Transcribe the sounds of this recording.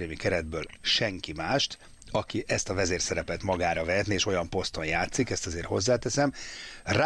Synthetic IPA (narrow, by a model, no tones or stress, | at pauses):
eːmikɛɾɛd̪̚bøːlʃɛŋkimaːʃt̪ | ɒkiʔɛst̪ɒvɛzeːrsɛɾɛpɛt̪mɒɡaːɾɒvɛɦɛt̪nieːʃo̞jɒmpo̞st̪o̞njaːt̪sikɛst̪ɒzeːrho̞zːaːt̪ɛsɛmra